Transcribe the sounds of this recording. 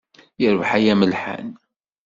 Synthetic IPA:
jəɾəvħajæməlħa̰n

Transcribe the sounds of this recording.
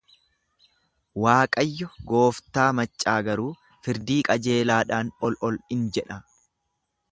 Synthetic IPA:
waːkʼɐjːɔɡo̞ːft̪aːmɐt͡ʃʼːaːɡɐɾuː | fɪɾd̪iːkʼɐd͡ʒe̞ːlaːᶑaːnɔlʔɔlɪnd͡ʒɛᶑɐ

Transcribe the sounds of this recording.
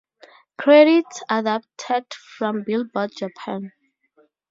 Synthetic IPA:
kʰɹɛɾitsadap̚tʰɛd̥fɹɔ̃mbilbɔd̚d͡ʒapʰãn

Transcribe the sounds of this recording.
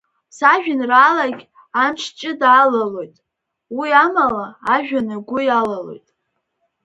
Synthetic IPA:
saʒᶣʊnraːlaɡʲ | amt͡ʃʰt͡ʃʼɪdaːlalo̞jtʼ | wiamalaːʒᶣanaɡʷʊjalalo̞̰jtʼ

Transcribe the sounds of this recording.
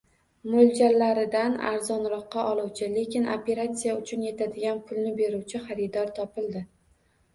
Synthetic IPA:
mold͡ʒallːaɾɪd̪ana̰ɾzɒnɾɒqːɑʔɒlˠuwt͡ʃʰɪle̞kʲɪnopʰe̞ɾat̪sijaʊt͡ʃʰʊnje̞t̪ʰad̪ɪɡʲanpʰʊlnɪbe̞ɾuwt͡ʃʰɪχaɾɪd̪ɒɾt̪ʰɒpɪlˠd̪ɪ

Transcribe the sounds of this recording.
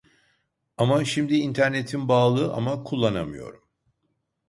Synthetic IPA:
amaʃimd̪iint̪ʰæɾne̞t̪ʰinbaːlˠɯʔa̰makʰulˠːana̰mɯ̰jo̞̰ɾum

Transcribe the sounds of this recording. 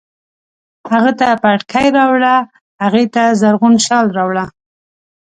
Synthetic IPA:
haɣət̪apaʈkʰajɾɑwɽa | haɣet̪azaɾɣunʃɑlɾɑwɽa

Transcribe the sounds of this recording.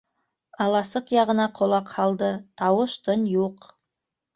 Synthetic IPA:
ɑlˠɑsəqjɑʁə̆nɑqʰolˠɑqhɑlˠd̪ət̪ʰɑwəʃt̪ʰɤnjuq

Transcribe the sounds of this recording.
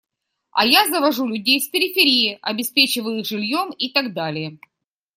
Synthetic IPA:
ɐ̰jazəvɐʐulʲʉdʲejfʲpʲɪɾʲɪfʲɪɾʲijɪʔɐbʲɪspʲet͡ɕɪvəjʊixʐɨlʲjomit̪ɐɡ̚d̪alʲɪjə

